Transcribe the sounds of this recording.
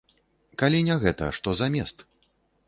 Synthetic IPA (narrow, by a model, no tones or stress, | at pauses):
kalʲinʲɛɣɛt̪ɐ̰ʂt̪ɔzɐamʲɛst̪